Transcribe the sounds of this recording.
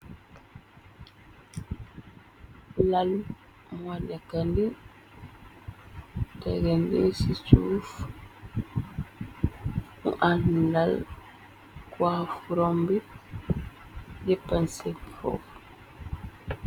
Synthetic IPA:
lal | wanɛkandi | tɛɡɛndisit͡ʃuf | ṵʔanlal | kwafuɾɔmbi | d͡ʒɛpːansɛpfɔ̰f

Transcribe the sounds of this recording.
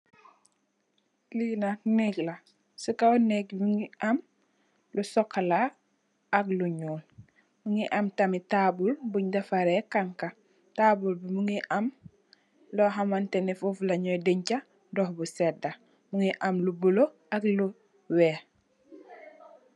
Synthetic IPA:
linatnɛɡla | sukanɛɡmuŋiam | lusɔkʰːalaː | kluɲuːn | muŋiʔamtɐmitabulbuɲdɐfaɾɛkaŋka | taːbulbimuŋiʔam | lɔɦamantɛnifuflɐɲɔjdeɲca | dɔhbusɛda | muŋiʔamlubulo | aklu | wɛː

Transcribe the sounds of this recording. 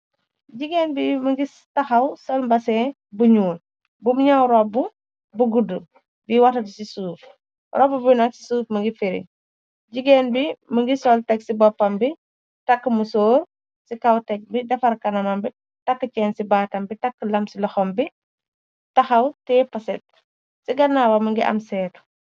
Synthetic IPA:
ɟiɡɛnbiməŋɡi | tɐxɐwsɔlmbɐsɛ | buɲuːl | bumɲawɾɔbu | buɡudu | biwɐtɐdisisuːf | ɾɔbubunɐksi̥suːfməŋɡifiɾḭ | ɟiɡɛnbiməŋɡisɔltɛksibɔpːɐmbi | takːəmusoːɾ | sikawtɛk̚bidɐfɐɾkɐnɐmɐmbi | tɐkːət͡ʃɛːnsibaːtɐmbitakːəlɐmsilɔxɔmbi | tɐxɐwtɛːpɐsɛt̚ | siɡɐnːaːwɐməŋɡiʔɐ̰msɛːt

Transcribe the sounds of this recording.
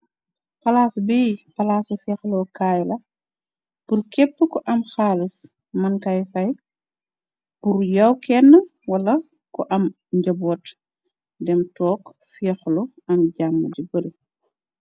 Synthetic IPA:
pɐlaːsbiːpɐlaːsufɛːxlɔkaːjlɐ | purkɛpːəkɔʔɐmxaːlis | mɐnkɐjfɐj | purjɐwkɛnːɐwɐlɐ | kɔʔɐm | ɲɟɐbɔːt | dɛmtɔːk | fɛxlɔɐmɟamːədibəl

